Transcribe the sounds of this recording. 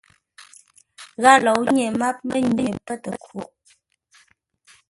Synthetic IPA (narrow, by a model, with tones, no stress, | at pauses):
ɣa˦lɔ˨wɲe˨ma˦p̚mə˦ɲi˦˨pə˦tə˨kʰo˨˦ʔ